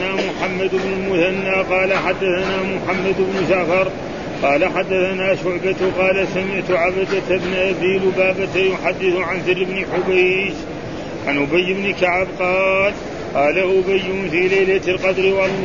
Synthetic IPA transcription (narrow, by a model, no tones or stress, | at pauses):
naːmʊħamːad̪ɪbnʊlmʊθanːaːqɑːlaħad̪ːaθanaːmʊħamːad̪ɪbnʊʃaʕfɑɾˤ | qɑːlaħad̪ːaθanaːʃʊʕbat̪qɑːlasamɪʕt̪ʊʕabad̪at̪bnʔabiːlwbaːbat̪jʊħad̪ːɪθʊʕanθɪɾːɪbnɪħʊbajd͡ʒ | ʕanʔʊbajːɪbnɪkaʕabqɑːl | qɑːlaʔʊbajːʊnfilajlalqɑd̪ɾwɑlˤː